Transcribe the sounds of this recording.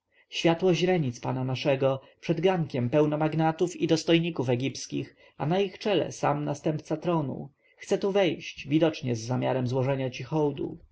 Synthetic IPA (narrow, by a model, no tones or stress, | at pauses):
ɕfʲjat̪wɔʑɾɛɲit̪spananaʂɛɡɔpʂɛd̪ɡaŋkʲɛmpɛwnɔmaɡnat̪ufid̪ɔst̪ɔjɲikufɛɡʲipskʲḭx | anaixt͡ʂɛlɛ̰samnast̪ɛmp̚t̪sat̪ɾɔnṵ | xt̪sɛt̪uvɛjɕt͡ɕvʲid̪ɔt͡ʂɲɛzːamʲjaɾɛmzwɔʐɛɲat͡ɕixɔwd̪ṵ